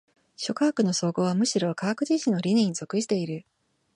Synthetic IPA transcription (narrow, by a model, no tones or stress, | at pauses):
ɕo̞kaːkɯ̟no̞so̞ːɡo̞ːβamɯ̟ɕiɾo̞kakɯ̟d͡ʑiɕĩnːoɾʲiɲnĩɲ̟izo̞kɯ̟ɕi̥t̪e̞iɾɯ̟